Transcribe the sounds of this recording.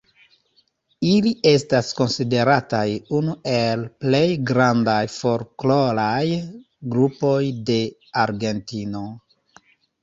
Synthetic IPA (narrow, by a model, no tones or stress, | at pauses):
iliʔe̞stasko̞nside̞ɾatajunuʔe̞lple̞jɡɾandajfo̞ɾkloɾaj | ɡɾupo̞jde̞ | aɾɡe̞ntino̞